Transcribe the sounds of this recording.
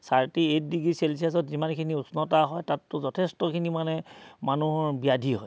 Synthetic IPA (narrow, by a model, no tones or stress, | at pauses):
saɹtiet̚diɡɹiselsias̬ɔtzimankʰiniusnɔtaɦɔjtatːʊzɔtʰestɔkʰinimanɛmanuɦɔɹbiadʱiɦɔj